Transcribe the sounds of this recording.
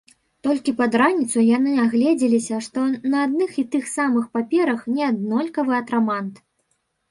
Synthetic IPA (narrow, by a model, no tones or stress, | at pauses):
t̪ɔlʲkʲipɐd̪ɾanʲit̪sujanɨaɣlʲɛd͡zʲilʲisʲɐʂt̪ɔnɐad̪̚nɨxit̪ɨxsamɨxpapʲɛɾɐxnʲɛad̪̚nɔlʲkɐvɨɐt̪ɾamant̪